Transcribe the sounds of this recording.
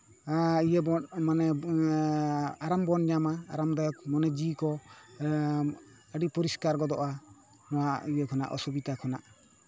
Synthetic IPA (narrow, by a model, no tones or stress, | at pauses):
aijəbɔnmanɛ | aɾambɔnɲamaːɾamd̪ajɔk̚mɔnɛd͡ʒikɔ | əɖipɔɾiskaɾɡɔd̪ɔʔa | nɔwaijəkʰɔna̰ʔɔ̰subit̪akʰɔna̰ʔ